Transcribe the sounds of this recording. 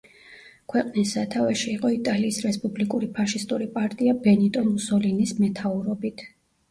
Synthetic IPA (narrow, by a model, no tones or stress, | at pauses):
kʰwɛqʼnisːat̪ʰavɛʃiːqʼɔit̪ʼaliːsɾɛspʼublikʼuɾipʰaʃist̪ʼuɾipʼaɾt̪ʼiabɛnit̪ʼɔmusɔlinismɛt̪ʰauɾɔbit̪ʰ